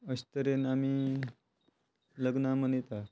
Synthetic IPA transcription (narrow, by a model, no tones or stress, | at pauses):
əɕt̪əɾenami | ləɡnamənet̪a